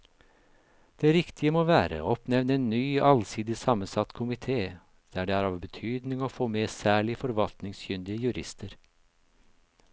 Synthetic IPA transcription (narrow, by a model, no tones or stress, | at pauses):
d̪̥eːɾɪkt̪ʰɪəmoːʋæːɾə̰ɔpnɛʋnəeːnnyːɑlsiːd̪ɪsɑmənsɑt̪kʰʊmɪt̪ʰeː | d̪̥æɖeːæːɾɑːʋbət̪ʰyːd̪nɪŋoːfoːmeːsæːɭɪfɔɾʋɑlt̪nɪŋsjʏnd̪ɪəjʉɾʔɪ̰st̪ʰəɾ